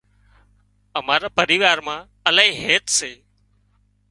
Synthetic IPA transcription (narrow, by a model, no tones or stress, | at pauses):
əmaːɾaːpəɾiːʋaːɾmãː | əlaːɦĩːɦeːt̪seː